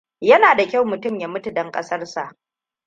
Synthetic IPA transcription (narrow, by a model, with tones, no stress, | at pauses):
jɐ˦naː˨da˨kʲa˦˨wmʊ˨tʊ˦˨mja˨mʊ˦tu˨dɐ˦ŋkʼɐ̰˦sɐ˦rsa˨ʔ